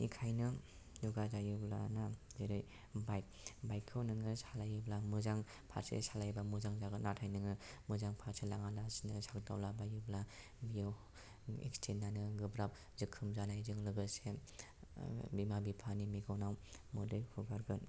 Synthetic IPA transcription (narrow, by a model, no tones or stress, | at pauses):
ikʰajnɯ | zuɡazajɯbla̰nazeɾɯj | bajk̚ | bajkʰːɯwnɯŋɯsalajɯblamuzaŋ | pʰa̰ɾsḛsalajbamuzaŋzaɡɯnatʰajnɯŋɯmɯzaŋpʰaɾselaŋalasinɯsakɡa̰wlabajɯbla | bijaw | ḛkstʰinːanɯɡɯbɾap̚ | zɯkʰːɯmzanajzɯŋlɯɡɯse | bimabipʰanimiɡawnawmudɯjhʰuɡaɾɡɯn